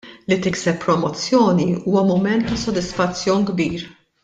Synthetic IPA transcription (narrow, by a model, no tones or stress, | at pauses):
lit̪ɪksɛpːɾɔmɔt͡sːjɔːniuːwɐmʊmɛnt̪ːɐsɔd̪ɪsfɐt͡sːjɔːnɡbiːɾ